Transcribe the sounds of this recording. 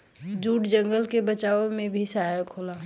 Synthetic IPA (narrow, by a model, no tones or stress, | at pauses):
d͡ʒuːʈd͡ʒə̃ŋɡəlkebɐt͡ʃaːõmẽbʱisaɦajəkʰoːla